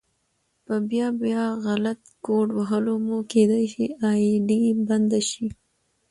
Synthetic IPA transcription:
pəbjɑbjɑɣalat̪ɡoɖwaɦəlomuked̪ajʃiɑɖiband̪aʃi

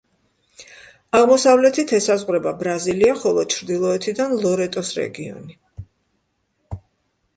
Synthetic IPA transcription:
aʁmɔsavlɛt̪ʰit̪ʰɛsazʁɾɛbabɾaziliaχɔlˠɔt͡ʃʰɾd̪ilˠɔɛt̪ʰid̪anlˠɔɾɛt̪ʼɔsɾɛ̰ɡiɔ̰ni

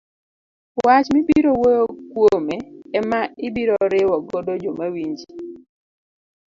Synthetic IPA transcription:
wat͡ʃmibiɾowojokwomɛɛmaɪbiɾoɾɪwɔɡodod͡ʒomawiɲd͡ʒi

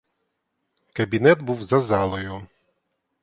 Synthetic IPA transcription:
kɐbʲinɛd̪buwzɐzɑlˠɔjʊ

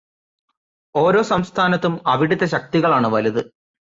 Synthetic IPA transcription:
o̞ːɾo̞ːsɐmst̪ʰaːnɐt̪ːumɐʋiɽit̪ːɐɕɐk̚t̪iɣɐɭaːɳɨʋɐlɐðɨ

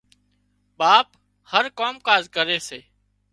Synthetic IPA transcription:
ɓaːp | həɾkoːmkaːzkəɾeːseː

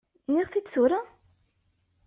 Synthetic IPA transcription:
niʁθid̪θuɾa

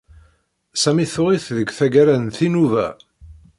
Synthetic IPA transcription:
sæmiθʊʁiθðəɡʷθæɡæɾænθinuvæ̰

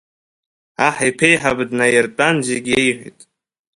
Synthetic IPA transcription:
aħajpʰejħabdnajɪrtʼand͡ʒeɡʲejħʷḭtʼ

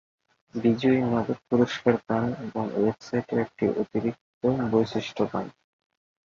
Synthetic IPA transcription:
bid͡ʑoimad̪ot̪̚puɾoʃkaɾt̪aneboŋwebsajʈeɾek̚ʈḭʔot̪iɾik̚t̪obojʃeʃʈʰoka̰n

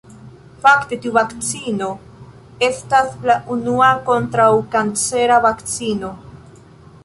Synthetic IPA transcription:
fakte̞tiuvakt͡sino̞ | e̞staslaʔunuako̞ntɾawkant͡se̞ɾavakt͡sino̞

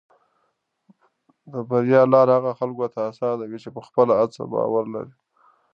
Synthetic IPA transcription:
d̪əbaɾjɑlɑɾhaɣaxalɡot̪aːsɑnawit͡ʃepəxpəlaat͡sa̰bɑ̰waɾla̰ɾi

